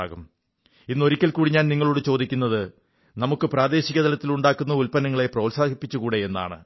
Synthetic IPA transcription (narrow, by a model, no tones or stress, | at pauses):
ɣum | inːo̞ɾikʲːɐlkuːɽiɲaːnniŋːɐɭuːɽɨt͡ɕo̞ːd̪ikʲːunːɐðɨ | nɐmukːɨpraːd̪e̞ːɕiɣɐd̪ɐlɐt̪ːiluɳɖaːkːunːɐulpɐnɐŋːɐɭe̞proːlsaːkipːit͡ɕːukuːɽe̞enːa̰ːɳɨ̰